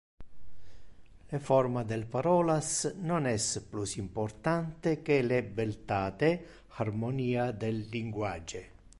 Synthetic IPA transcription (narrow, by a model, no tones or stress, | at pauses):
lefɔrmad̪ɛlpaɾɔːlasnonɛsplusimpɔrt̪ant̪ekelebelt̪aːt̪e | harmoniːad̪elːiŋɡwad͡ʒe